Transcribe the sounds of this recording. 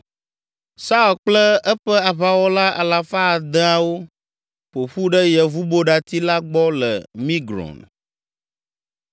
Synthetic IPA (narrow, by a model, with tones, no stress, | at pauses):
sa˦o˨lk͡plə˦ɛ˦ɸɛ˦a˨βa˦wɔ˦la˦ʔa̰˨la˨fa˦˨d̪ə˦a˦wo˦ | ɸo˨ɸu˦ɖə˦jɛ˨vu˦bo˦ɖa˨t̪i˦la˦ɡ͡bɔ˦lɛ̰˨mĩ˦ɡɾɔ̰˨n